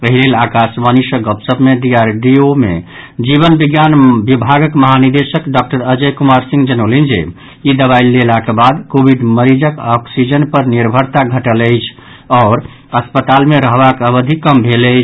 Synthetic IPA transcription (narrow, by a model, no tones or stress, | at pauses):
əɦilelakasməniʃəɡəpsəpmeɖiaɾɖiomḛ | d͡ʒiβənbiɡjanbibʱaɡəkməɦaniɾd̪esəkɖɔk̚ʈəɾəd͡ʒəjkumaɾsĩŋɡd͡ʒənəwlind͡ʒḛ | id̪əβailːelakebad̪kobʱiɖməɾid͡ʒəkɔksid͡ʒənpəɾniɾbʱəɾt̪aɡʱəʈələjt͡ʃʰ | ɔːɾ | əspət̪almeɾəɦbakəbəd̪ʱikəmbʱeləɪt͡ʃʰ